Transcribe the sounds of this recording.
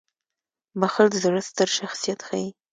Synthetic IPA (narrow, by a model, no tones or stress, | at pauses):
baxəld̪əzɽəst̪əɾʃaxsijat̪xaji